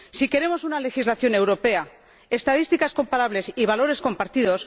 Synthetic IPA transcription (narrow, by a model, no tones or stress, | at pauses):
sike̞ɾe̞mo̞sunale̞xizlaθjo̞ne̞wɾo̞pe̞a | est̪að̞ist̪ikasko̞mpaɾaβle̞siβ̞alo̞ɾe̞sko̞mpaɾt̪iðo̞s